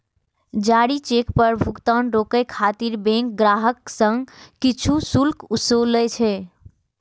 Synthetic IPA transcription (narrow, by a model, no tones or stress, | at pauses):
d͡ʒaɽit͡ʃekpəɾbʱukt̪anɾokəjkʰat̪iɾbẽŋk̚ɡɾaɦəksə̃ŋɡːit͡ʃʰusulkusolːɛjt͡ʃʰɛ